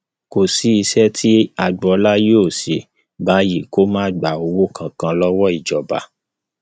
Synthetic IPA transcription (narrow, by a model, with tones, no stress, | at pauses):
ko˨si˨˦i˧sɛ˦tʰi˦a˧ɡ͡bɔ˧˦la˦joː˦˨si˨ | ba˨˦ji˦˨ko˦mãː˦˨ɡ͡ba˨o˧wo˦kʰã˨kã˧lɔ˦wɔ˦i˨d͡ʒɔ˨ba̰˨˦